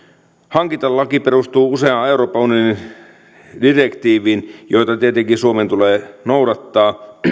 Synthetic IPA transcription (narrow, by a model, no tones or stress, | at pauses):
hɑŋkit̪ɑlːɑkiperust̪uːuseɑeuɾo̞ːpɑunioni | direkt̪iːʋiːnjo̞jt̪ɑt̪iet̪eŋkisuoment̪uleːnowdɑt̪ːɑː